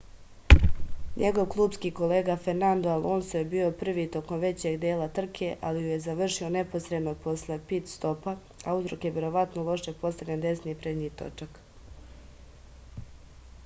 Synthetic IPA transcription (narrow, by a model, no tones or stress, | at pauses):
ɲʔe̞ɡo̞ʋklˠuːbskiːko̞le̞ːɡafeɾnand̪oalˠʔoːnsojebiːo̞pr̩ʋiːt̪o̞ko̞mʋe̞t͡ɕe̞ɡd̪eːlat̪r̩kʰe̞ʔalijuje̞zaʋr̩ʃio̞ne̞po̞sɾed̪nopo̞sle̞pit̪st̪o̞pa | auzɾokjeʋje̞ɾo̞ʋat̪nolˠo̞ʃjepo̞st̪aɡʎand̪e̞sniːpɾe̞d̪ɲiːt̪o̞̰t͡ʃak